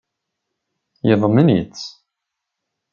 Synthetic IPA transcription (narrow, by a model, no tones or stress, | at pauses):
jeðˤəmənjə̰t͡sː